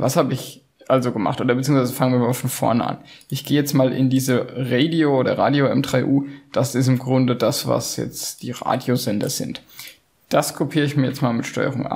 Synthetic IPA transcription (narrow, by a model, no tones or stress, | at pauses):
vashaːbəɪç | ʔalzoɡəmaχtʔoːdɐbət͡siːʊŋsvaɪzəfaŋənviːɐmaːlfɔnfɔɐnəʔa̰nʔɪçɡ̥eːjɛt͡stmaːlʔɪ̰ndiːzəʁeːdioʔoːdɐʁa̰ːdjoɛ̰mdʁ̥aɪʔuːd̥asɪs̬tɪmɡʁʊndədasva̰sjɛ̰t͡std̥ḭːʁa̰ːdjozɛndɐz̥ɪ̰nt | d̥askʰopʰiːʁəɪçmiːɐjɛt͡stmaːlmɪtʃtɔ̰ʏə̰ʁʊŋʔa̰